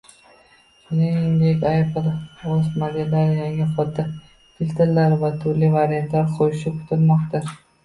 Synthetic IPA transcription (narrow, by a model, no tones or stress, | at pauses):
ʃʊnɪŋŋd̪ekʲajpɨlɒzmad̪ijalaɾjaŋɪχɒt̪ʰːa | t̪ʰɪlt̪ʰɪɾlːaɾvat̪ʰʊɾlivaɾijant̪laɾqʰojɪʃɪkʰʊ̥t̪ʰɪlmɒqt̪ʰa